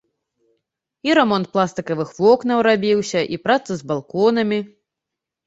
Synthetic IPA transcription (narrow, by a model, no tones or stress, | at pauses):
iɾɛmɔnt̪̚plˠast̪ɨkɐvɨxvɔknɐwɾabʲiwsʲɐʔipɾat̪sɐzbalˠkɔn̪ɐmʲi